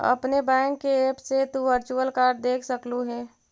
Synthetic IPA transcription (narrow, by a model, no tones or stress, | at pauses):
ə̰pnebɛ̃ːŋkːeeːpset̪uʋəɾt͡ʃuəlkaːɾɖ̚d̪eːkʰsəkluɦɛː